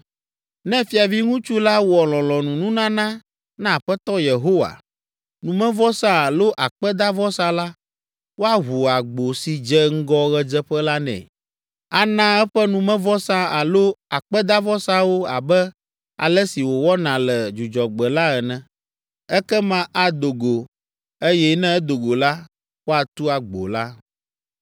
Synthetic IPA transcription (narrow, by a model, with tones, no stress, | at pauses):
nɛ̃˦fi˦a˨vi˦ŋũ˦t͡ʃu˦la˦wɔ˨lɔ̃˨lɔ̃˨nũ˨nũ˦nã˦nã˦ | nã˦˨ɸɛ˦t̪ɔ˦je˨ɦo˦wa̰˨ | nũ˨mɛ̃˦vɔ˦sã˦a˨lo˦ʔa˨k͡pɛ˦d̪a˦vɔ˦sa˦la˦ | wo˦a˦ɦu˨a˨ɡ͡bo˨si˨d͡ʒɛ˦ŋ̩˦ɡɔ˦ɣɛ˦d͡ʒɛ˦ɸɛ˦la˦nɛ̰̃˨ | a˨nã˦ɛ˦ɸɛ˦nũ˨mɛ̃˦vɔ˦sã˦a˨lo˦a˨k͡pɛ˦d̪a˦vɔ˦sa˦wo˦a˨bɛ˦ | a̰˨lɛ˦si˨wo˨wɔ˦nã˨lɛ˨d͡ʒu˨d͡ʒɔ˨ɡ͡bɛ˨la˦ɛ˨nɛ̃˨ | ɛ˦kɛ˦mã˦ʔa˨d̪o˨ɡo˨ | e˦jɛ˦nɛ̃˦ɛ˦d̪o˨ɡo˨la˦ | wo˦a˨t̪u˦a˨ɡ͡bo̰˨la˦